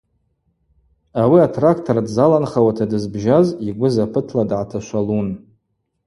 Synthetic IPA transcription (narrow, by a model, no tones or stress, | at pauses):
awiatʰrakʰtʰoɾadzalanχawatʰadɨzbʒaziɡʷʊzapʰɨtʰladʕatʰaʃʷalun